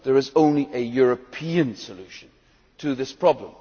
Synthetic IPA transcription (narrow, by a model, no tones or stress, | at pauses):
ðə˞ɨzõʊ̃nliʔɨjʊɹəpʰĩɨ̃nsəlʉˑʃɨ̃n̩ | tʰɨðɪspʰɹ̥ɑblə̃m